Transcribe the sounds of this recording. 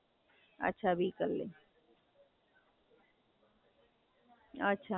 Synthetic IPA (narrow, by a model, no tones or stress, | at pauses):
ɐ̰tːʃʰabʱikɐɾlḛː | ɐtːʃʰa